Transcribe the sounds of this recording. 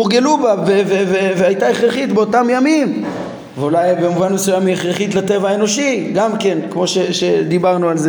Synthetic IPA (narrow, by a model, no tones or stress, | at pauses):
uʁɡelubabeveveveajt̪aeχʁeχit̪beo̞t̪amjamim | veulajbemuvanmesujamieχʁeχit̪lat̪evaaeno̞ʃiɡamke̞nkmo̞ʃeʃed̪ibaʁnualze